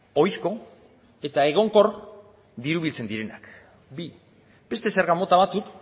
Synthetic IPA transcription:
o̞jsko̞ | e̞t̪ae̞ɣ̞o̞ŋko̞r | d̪iɾuβ̞ilt͡se̞nd̪iɾe̞na̰k | bi | be̞st̪e̞se̞ɾɣamo̞t̪aβat͡suk

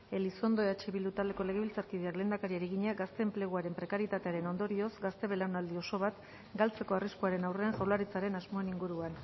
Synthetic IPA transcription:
e̞liso̞nd̪oeat͡ʃiβild̪ut̪ale̞ko̞le̞ɣe̞βilt͡saɾkiðiakle̞ːnd̪akaɾiaɾiɣiɲaɡast̪e̞ːmpleɣ̞uaɾe̞mpɾe̞kaɾjet̪at̪e̞aɾe̞no̞nd̪o̞ɾio̞zɡast̪e̞βe̞lawnald̪io̞so̞β̞at̪ | ɡalt͡se̞ko̞ariskuaɾe̞nawre̞ansawlaɾit͡saɾe̞nazmo̞eniŋɡuɾuan

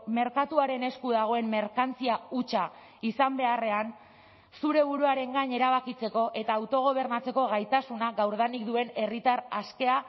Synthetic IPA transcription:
me̞ɾkat̪uaɾe̞ne̞skuðaɣ̞o̞e̞mme̞ɾkant͡siaut͡ʃa | isambe̞are̞an | suɾe̞βuɾuaɾe̞ŋɡaɲe̞ɾaβ̞akit͡se̞ko̞ʔe̞t̪aːwt̪o̞ɣ̞o̞β̞e̞ɾnat͡se̞ko̞ɣ̞ajt̪asunaɣawɾð̞anikd̪ue̞ne̞rit̪aɾaske̞a

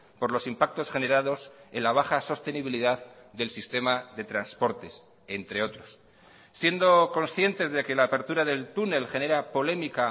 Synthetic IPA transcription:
po̞ɾlo̞simpak̚t̪o̞sχe̞ne̞ɾaðo̞se̞nlaβ̞axaso̞st̪e̞niβiliðaððe̞lsist̪e̞maðe̞t̪ɾanspo̞ɾt̪e̞s | e̞nt̪ɾe̞o̞t̪ɾo̞sː | je̞nd̪o̞ko̞nsθje̞nt̪e̞zðe̞ke̞laːpe̞ɾt̪uɾaðe̞lt̪une̞lxe̞ne̞ɾapo̞le̞mika

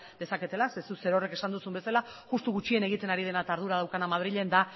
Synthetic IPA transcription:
d̪e̞sake̞t̪e̞lasesuse̞ɾo̞re̞ke̞sand̪usumbe̞sala | ʝust̪uɣut͡ʃiene̞ɣ̞it̪e̞naɾið̞e̞nat̪aɾðuɾað̞awkanamað̞ɾiʎe̞nd̪a

